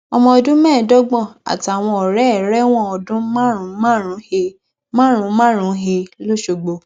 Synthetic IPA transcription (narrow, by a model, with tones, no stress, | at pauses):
ɔ˧mɔ̃˧ɔ˧dũ˦mɛ̃ː˦˨dɔ˦ɡ͡bɔ̃˦˨a̰˨ti˨a˨w̃ɔ̃˧ɔ˨ɾɛ˨˦˨ɾɛ˦w̃ɔ̃˦ɔ˧dũ˦mã˦ɾũ˨˦mã˦ɾ̃ũ˨˧˦he˧ | mã˦ɾ̃ũ˧˦mã˦ɾ̃ũ˨˧˦ɦe˧lo˦ʃo˧ɡ͡bo˧